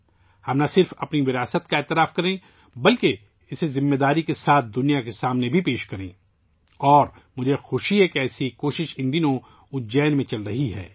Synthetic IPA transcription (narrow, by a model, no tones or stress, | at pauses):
hɐmnasɪɾfɐpniʋɪɾaːsət̪kaeːt̪ɪɾaːfkɐɾẽ | bɐlke | ɪsezɪmːeːd̪aːɾikesaːt̪̚ʰd̪ʊnijakesaːmnebʱipeːʃkɐɾḛ̃ː | ɔːɾ | mʊd͡ʒʱexʊʃiɦɛkeɛːsikoːʃɪʃɪ̃nd̪inõ | ʊd͡ʒɛːnmẽt͡ʃɐlɾɐɦiɦɛ̰ː